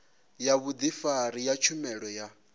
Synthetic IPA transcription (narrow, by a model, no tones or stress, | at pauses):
jaβud̪ifaɾijat͡ʃʰumɛɺɔja